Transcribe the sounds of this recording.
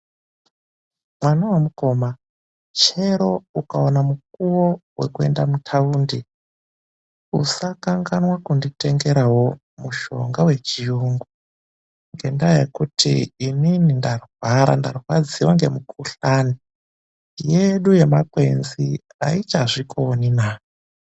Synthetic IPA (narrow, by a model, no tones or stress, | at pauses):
mwanawamuko̞ma | t͡ʃe̞ɾo̞ukaonamuk̚uwowe̞̰kue̞ndamutʰauːndi | usakaŋɡanwakundite̞ŋɡe̞ɾawo̞ | muʃo̞̰ŋɡawe̞t͡ʃijuŋɡu | ŋɡe̞̰ndajḛkutʰḭːninindarwaɾa̰ndarwad͡ziwaŋɡe̞̰mukʰuɬani | je̞ɗuje̞makwe̞nzi | a̰it͡ʃaʐikʰoninaː